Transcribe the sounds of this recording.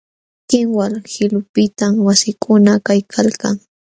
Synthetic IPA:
kɪŋwalhɪlʊpɪt̪amwasɪkʰʊnakajkʰalka̰ŋ

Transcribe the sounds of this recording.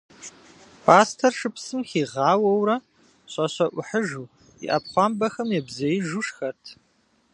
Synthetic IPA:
pʰaːstʰɐrʂɨpsɨmxiːʁɑːwɐwrɐ | ɕʼɐɕɐʔʷʊħəʒuː | ḭʔɐ̰pχʷɑmbɐxɐmjɛbzɐjɪʒuʂxɐtʰ

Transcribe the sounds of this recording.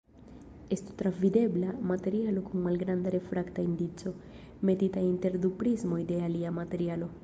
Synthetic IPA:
e̞stu̥t̪ɾavide̞blamate̞ɾialo̞kunmalɡɾandaɾe̞fɾaktaindit͡so̞ | me̞titainte̞ɾdupɾizmo̞jde̞aliamate̞ɾialo̞

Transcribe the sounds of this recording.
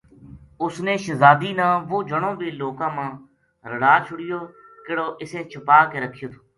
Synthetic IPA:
ʊsneːʃəzaːd̪iːnãːʋoːd͡ʒəɳõːʋiːloːkãːmãː | ɾəɽaːt͡ʃʰʊɽɪjoː | kɪɽoːʔɪsẽːt͡ʃʰəpaːkeːɾəkʰɪjoːt̪ʰoː

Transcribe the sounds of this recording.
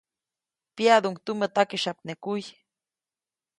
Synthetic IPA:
pjad̪uŋkt̪umət̪akiʃap̚nekuj

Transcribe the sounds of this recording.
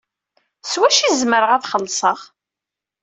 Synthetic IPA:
swæʃizməɾəʁæθχəlːsˤəʁ

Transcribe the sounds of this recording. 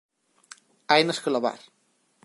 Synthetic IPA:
ajnəskəloβa̰ɾ

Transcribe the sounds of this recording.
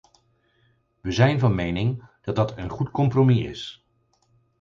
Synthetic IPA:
ʋəzɛjnvɑnmejnɪŋd̥ɑd̚dɑtʰənχutkɔmpromiɪ̰s

